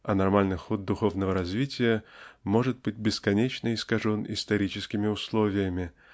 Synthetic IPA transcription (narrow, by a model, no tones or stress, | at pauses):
ɐnɐrmalʲnɨxod̪̚ːʊxo̞vnəvəɾɐzvʲitʲɪjəmo̞ʐɨt̪̚bɨt̚ʲbʲɪskɐnʲet͡ɕnəɪskɐʐo̞nɪ̰st̪ɐɾʲit͡ɕɪskʲɪmʲɪʊslˠovʲɪjəmʲɪ